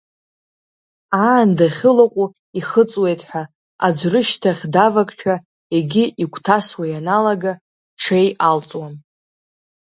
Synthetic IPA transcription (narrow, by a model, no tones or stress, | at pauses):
aːndaχʲɪlaqʷʼu | iχət͡sʼwe̞jtʼħʷᶣa | a̰d͡ʒʷrɨʃtʰaχʲdavakʼʃᶣʰa | eɡʲɪʔikʷʰtʰaswajanalaɡa | ʈ͡ʂʰe̞jalt͡sʼwan